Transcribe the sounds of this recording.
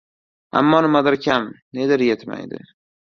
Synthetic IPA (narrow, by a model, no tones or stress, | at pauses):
a̰mːɒnɪmad̪ɪɾkʲʰamne̞d̪ɪɾjet̪ma̰jd̪ɪ̰